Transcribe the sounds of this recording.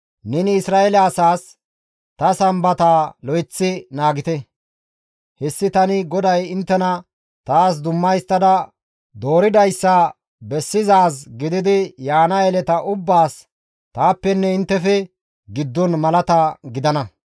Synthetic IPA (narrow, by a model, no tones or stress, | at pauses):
nɛnɪːsɾaːelɛɐsaːs | t̪ɐsɐmbɐt̪aːlɔjt͡sːɪnaːɡɪt̪ɛ | hɛsːɪt̪ɐnɪɡɔd̪ɐjɪnt̪ːɛnɐ | t̪aːs̬d̪ʊmːɐjst̪ːɐd̪ɐ | d̪o̞ːɾɪd̪ɐjsːɐ | bɛsːɪzaːs̬ɡɪd̪ɪd̪ɪjaːnɐɛlɛt̪ɐʔʊbːaːs | t̪aːpːɛnːɛɪnt̪ːɛfɛ | ɡɪd̪ːɔnmɐlɐt̪ɐɡɪd̪ɐnɐ